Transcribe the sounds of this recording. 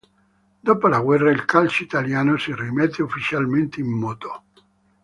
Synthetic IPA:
d̪oːpolaɡwɛrːailkʰalt͡ʃit̪aljaːnosirimet̪ʰːeufːit͡ʃalment̪eimːɔːt̪o̥

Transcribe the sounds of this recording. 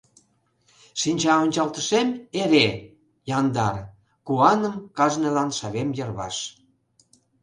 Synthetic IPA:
ʃinʲt͡ɕɑonʲt͡ɕɑlt̪ə̆ʃemeɾe | jɑnd̪ɑr | kuɑnəmkɑʒnelɑnʃɑβemjə̆rβɑ̰ʃ

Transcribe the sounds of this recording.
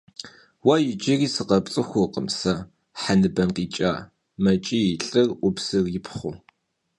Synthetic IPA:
wɐjɪd͡ʒɪriːsɨqɐpt͡sʼɨxʷʊqəmsɐ | ħanɨbɐnqiːt͡ʃʼa̰ː | mɐt͡ʃʼijɪɬʼɨrʷʊpsɨrjɪpʰχʷʊ

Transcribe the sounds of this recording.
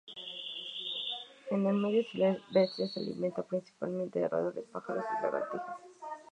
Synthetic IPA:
enelmeðjosilebesjesealḭmʔent̪apɾinsi̥palment̪eerʔa̰ðoɾespaxaɾosilaɣa̰t̪ixos

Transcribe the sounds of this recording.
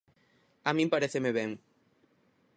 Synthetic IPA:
amĩmpaɾeθemeβɛŋ

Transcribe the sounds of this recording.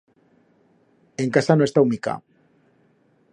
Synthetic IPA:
eŋkasanõe̞st̪awmika̰

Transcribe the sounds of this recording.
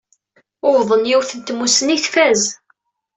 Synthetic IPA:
ʊvðˤənjiwθənt̪musəniθfæz

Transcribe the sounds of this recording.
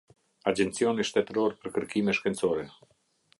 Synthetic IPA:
ad͡ʒɛnt͡siɔniʃt̪ɛt̪ɾɔɾpəɾkəɾkimɛʃkɛnt͡sɔɾɛ

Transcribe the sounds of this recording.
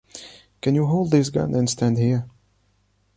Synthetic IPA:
kɨ̃njɨɦoʊlˠd̪̚ðis̬ɡʌ̰̃nʔɨ̃nstʰæ̃ndhiɹ

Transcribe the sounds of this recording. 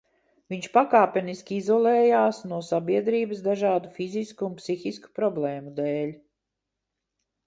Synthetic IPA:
viɲʃpakaːpʲɛniskʲiizɔlˠɛːjaːsnuɔsabiɛd̪ɾiːbəsd̪aʒɑːd̪ufiziskuunpsixisku̥pɾɔblˠɛːmud̪ɛːlʲ

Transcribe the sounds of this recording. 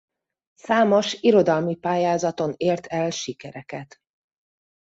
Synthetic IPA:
saːmo̞ʃiɾo̞d̪ɒlmipaːjaːzɒt̪o̞neːrt̪ʰɛlʃikɛɾɛkɛt̪

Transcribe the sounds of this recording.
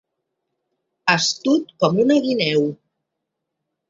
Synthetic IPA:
əst̪ut̪̚kɔmunəɣinɛw

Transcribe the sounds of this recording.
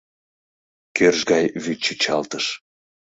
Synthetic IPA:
kørʒɡɑjβyt̪̚t͡ɕit͡ɕɑlt̪əʃ

